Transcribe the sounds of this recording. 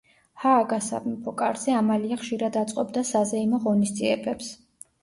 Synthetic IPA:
haːɡasa̰kʼmɛpʰɔkʼaɾzɛamaliaχʃiɾad̪at̪sʼqʼɔbd̪asazɛimɔʁɔnisd̪ziɛbɛps

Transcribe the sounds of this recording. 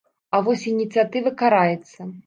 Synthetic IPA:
ɐvɔsʲinʲit̪sɨjat̪ɨvɐkaɾajɛt̪sːɐ

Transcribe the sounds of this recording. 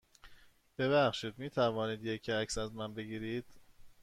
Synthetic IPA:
b̥eβæxʃiːd̪miːt̪ʰævɒːniːd̪jecʰæcsæzmænbe̞ɡiːɾiːd̪̥

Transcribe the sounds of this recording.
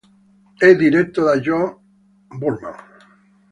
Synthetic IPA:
eðiɾet̪ːoðaʒo | buɾmã̰ŋ

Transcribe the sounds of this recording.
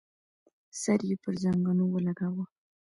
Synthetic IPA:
saɾjepəɾzaŋɡanowəlaɡawə

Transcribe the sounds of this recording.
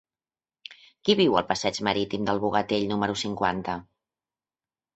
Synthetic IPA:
kiβiwəlˠpəsɛd͡ʒməɾit̪imd̪əlˠβuɣət̪eʎnuməɾusiŋkwa̰nt̪ə

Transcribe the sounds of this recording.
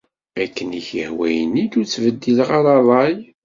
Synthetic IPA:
ækːəniçəhwæjənidut͡sːvəd̪ːilʁɑɾˤɑðˤɑj

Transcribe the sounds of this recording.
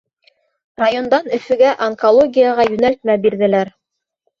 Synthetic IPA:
rajo̞nd̪ɑnɵ̆fɵ̆ɡæʔɐŋkolˠoɡʲijaʁɑjʉnælt̪̚mæbiɾðɘ̆læɾ

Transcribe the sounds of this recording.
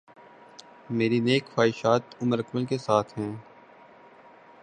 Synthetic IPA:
meːɾineːkfaːɪʃaːt̪ʊməɾəkməlkesaːt̪ʰɦɛ̃ː

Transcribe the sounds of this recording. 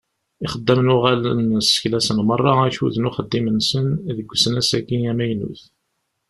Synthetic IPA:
ɪχəd̪ːæmnʊʁælənsə̥çlæsənmərˤːɑæçṵðnʊχəd̪ːimənsənðəɡʷːsənæsækiæmæjnṵθ

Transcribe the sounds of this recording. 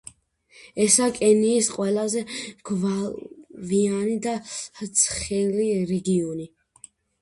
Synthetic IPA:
ɛsakʼɛniːsqʼwɛlazɛɡ̥va | vianid̪aht̪sʰχɛliɾɛɡiɔni

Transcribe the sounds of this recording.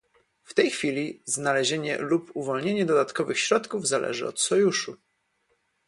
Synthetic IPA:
ft̪ɛjxfʲilʲiznalɛʑeɲɛ̰lupuvɔlɲeɲɛd̪ɔd̪at̪kɔvɘxɕɾɔt̪kuvzalʔɛ̰ʐɘ̰ɔ̰t̪sɔjuʂu

